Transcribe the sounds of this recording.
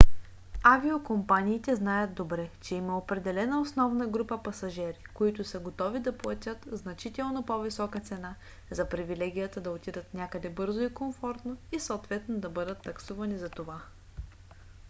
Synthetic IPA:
aviokompaniːt̪ɛznajəd̪d̪obɾɛt͡ʃɛimɐopɾɛd̪ɛlɛnəosnɔvnɐɡɾupəpɐsɐʒɛɾikoit̪ʊsəɡot̪ɔvid̪ɐplˠɐt̪ʲət̪znɐt͡ʃit̪ɛlˠnopovisɔkət̪sɛna | zɐpɾivilɛɡʲijət̪əd̪ɐot̪id̪ət̪nʲakəd̪ɛbɤɾzoikomfɔɾt̪noisoːt̪vɛt̪nod̪ɐbɤd̪ət̪ːɐksuvɐnizɐt̪ova

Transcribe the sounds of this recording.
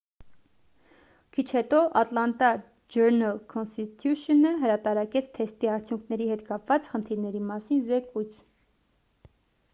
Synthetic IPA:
kʰit͡ʃʰhɛt̪ɔʔɑt̪lɑnt̪ɑ | d͡ʒəɾnɑlkʰɔnst̪it̪ʰjuʃənəɦəɾɑt̪ɑɾɑkʲɛt͡sʰt̪ʰɛst̪iɑɾt͡sʰjuŋkʰnɛɾiɦɛt̪kɑpvɑt͡sχənt̪ʰiɾnɛɾimɑsinzɛkujt͡sʰ

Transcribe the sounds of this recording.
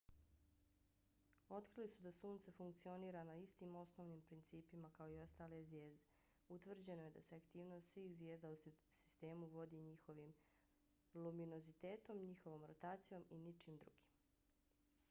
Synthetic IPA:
o̞t̪kɾilisud̪asuːnt̪sefuŋkt̪sio̞niːɾanaist̪imo̞sno̞ːʋniːmpɾint̪siːpimakaoio̞st̪aːlezʋje̞ːzd̪e | ut̪ʋr̩d͡ʑe̞no̞je̞d̪aseakt̪iːʋno̞ːst̪sʋiːxzʋjeːzd̪ausi̥st̪e̞ːmuʋo̞d̪iːɲixo̞ʋim | lumino̞zit̪eːt̪o̞mɲixo̞ʋoːmɾot̪aːt̪sijo̞minit͡ʃiːmd̪ɾṵɡ̥i̥m

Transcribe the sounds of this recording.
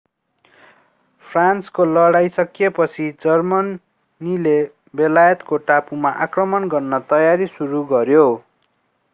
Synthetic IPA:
pʰranskolʌɽajsʌkjepʌt͡sʰid͡zʌrmʌn | nile | belajʌt̪koʈapumaʔakrʌmʌnɡʌrnʌt̪ʌjaɾisuɾuɡʌɾjo

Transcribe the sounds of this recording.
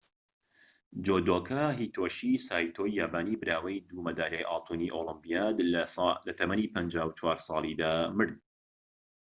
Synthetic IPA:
d͡ʒod̪oːkʰɐɦiːt̪ʰoːʃisaːjt̪ʰojːaːbaːnibɨɾaːwɐjd̪uːmɐd̪aːɾɛjʔɑ̰ːt̪ʰuːniʔoːlˠɨmbijaːd̪llɐt̪ʰɐmɐniːpʰɐnd͡ʒaːwt͡ʃʰwaːɾsˤɑːlˠid̪aːmɨɾd̪̚

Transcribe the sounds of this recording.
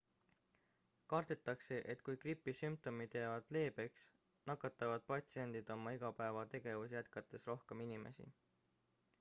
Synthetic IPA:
kɑrd̪̥et̪ːˑɑkse̞ʔe̞t̪ːkujkripːˑisymp̚t̪o̞mit̪jævɑd̪̥le̞ːbe̞ks | nɑkːˑɑt̪ːˑɑvɑd̪̥̚pɑt̪sie̞nd̪̥id̪̥o̞mɑiɡ̥ɑpæe̞vɑt̪e̞ɡ̥e̞vusjæt̪kɑt̪ːˑe̞sro̞hke̞minime̞̰sḭ

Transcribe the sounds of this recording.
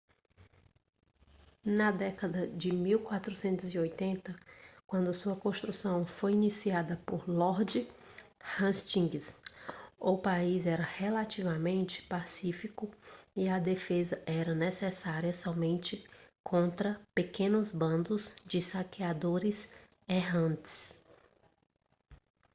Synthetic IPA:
nɐd̪ɛkɐd̪ɐd͡ʒɪmiwkwat̪ɾusẽnt̪ʊziojt̪ẽnt̪ɐkwɐ̃nd̪ʊsuɐkõst̪ɾusɐ̃w̃fojinisiad̪ɐpoɾlɔɾd͡ʒɪ | hɐ̃st͡ʃĩɡɪs | ʊpaizɛɾɐhelat͡ʃivɐmẽnt͡ʃɪ̥pasifikʊiɐd̪efezɐʔɛɾɐnesesaɾiɐsɔmẽnt͡ʃɪkʰõnt̪ɾɐpekẽnʊzbɐ̃nd̪ʊzd͡ʒɪsakead̪oɾɪz | eɦɐ̃nt̪ɪ̥s

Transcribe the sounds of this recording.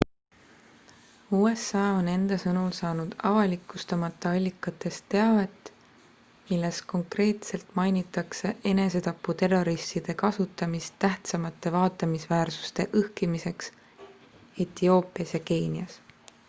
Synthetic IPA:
uːe̞sɑːo̞ne̞nd̪̥ɑsɤnulsɑːnud̪̥ɑvɑlikːˑust̪ɑmɑt̪ːˑɑɑlʲːikːˑɑt̪ːˑe̞st̪ːe̞ɑve̞t̪ːˑ | milːe̞sko̞ŋkre̞ːt̪se̞lt̪mɑjnit̪ːˑɑkse̞e̞ne̞se̞t̪ɑpːut̪e̞rːo̞ɾist̪id̪̥e̞kɑsut̪ːˑɑmist̪ːæht̪sɑmɑt̪ːˑe̞vɑːt̪ːˑɑmisvæːrsu̥st̪e̞ʔɤhkimise̞ks | et̪io̞ːpˑiɑsjɑke̞ːniɑs

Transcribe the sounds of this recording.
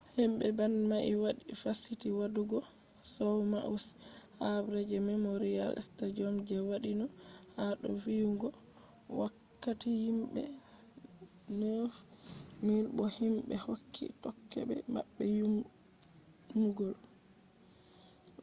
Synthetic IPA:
himbɛbanmaʔiwaɗifasitiwaduɡɔ | sawma̰ʔus | habɾɛd͡ʒɛmɛmoɾija̰lɛ̰stad͡ʒɔmd͡ʒɛwaɗinɔ | haɗɔ̰viuŋɡɔ | wakːatihimbɛ̰ | nɔ | miɾbɔhimbɛhokʰːḭtɔkʰːɛ̰bɛ̰ma̰ɓːɛju | umɡɔl

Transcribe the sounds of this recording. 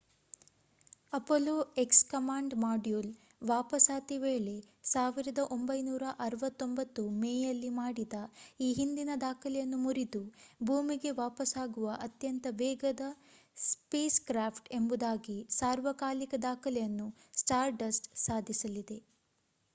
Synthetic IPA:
ɐpoloːekskɐmaːɳɖmaːɖjuːl | ʋaːpɐsaːt̪iʋeːɭe̞ | saːʋiɾɐd̪ɐʔo̞mbɐjnuːɾɐʔɐɾɐʋɐt̪ːo̞mbɐt̪ːumeːjɐlːimaːɽid̪ɐiːɦind̪inɐd̪aːkʰɐlɛjɐnːumuɾid̪ubʱuːmiɡe̞ʋaːpɐsaːɡuʋɐʔɐt̪jɐnt̪ɐʋɛːɡɐd̪ɐ | speːskɾaːpʰʈe̞mbud̪aːɡisaːɾʋɐkaːlikɐd̪aːkʰɐlɛjɐnːu | sʈaːɾɖɐsʈsaːd̪ʱisɐlid̪e̞

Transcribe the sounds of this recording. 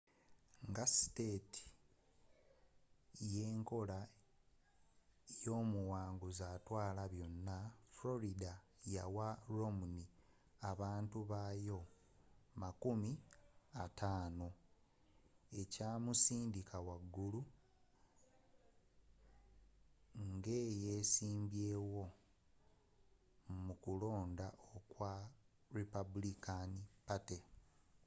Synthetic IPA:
ŋɡasi̥te̞ti̥ | je̞ːŋko̞la | jo̞ːmuwaːŋɡuzaːtwaːlaβjo̞nːaflo̞ɾida | ja̰waɾo̞muni | aβaːntuβaːjo̞ | makumiatʰaːno̞ | e̞caːmusiːndikawaɡːulu | ŋɡe̞ːje̞ːsiːmbje̞ːwo̞ | mukulo̞ːndaʔokwa | ɾepabulikanipate

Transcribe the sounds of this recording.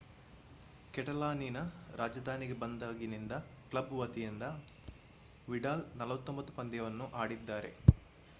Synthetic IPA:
kɛʈɐlaːninɐɾʔaːd͡ʒɐd̪ʱaːniɡebɐnd̪aːɡinind̪ɐklɐbʋɐt̪ijind̪ɐ | ʋiɖaːlnɐlɐʋɐt̪ːombɐt̪ːu̥pɐnd̪jɐʋɐnːuʔaːɽid̪ːaːɾe̞̰

